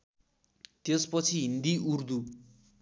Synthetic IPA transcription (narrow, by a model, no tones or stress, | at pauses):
t̪espʌt͡sʰiɦind̪iurd̪u